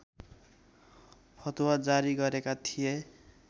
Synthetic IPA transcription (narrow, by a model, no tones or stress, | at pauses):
pʰʌt̪wad͡zaɾiɡʌɾekat̪ʰije